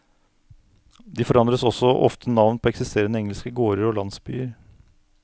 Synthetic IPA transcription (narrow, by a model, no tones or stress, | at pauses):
d̪iːfɔɾɑnd̪ɾəsɔsɔʔɔft̪ʰənɑʋnpʰoːɛksɪst̪eːɾənəɛŋəlskəɡoːɾəɾoːlɑnsby̰ːəɾ